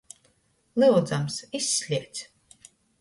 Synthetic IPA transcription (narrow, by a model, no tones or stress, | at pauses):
lɨwd̪zamsisʲːlʲiɛt̪sʲ